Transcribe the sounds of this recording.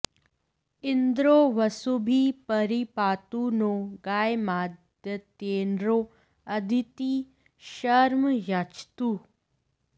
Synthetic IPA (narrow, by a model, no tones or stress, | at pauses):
ind̪ɾoːʋɐsubʱipɐɾipaːt̪unoːɡaːjmaːd̪ | jət̪eːnɾo | ɐd̪ʱit̪iː | ʃɐɾmjat͡ʃt̪uː